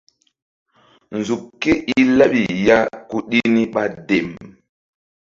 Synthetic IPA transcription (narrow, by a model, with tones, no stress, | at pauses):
n̩˨zu˨p̚ke˦ʔi˦la˦ɓi˨ja˦ku˦ɗi˦ni˦ɓa˦de˨m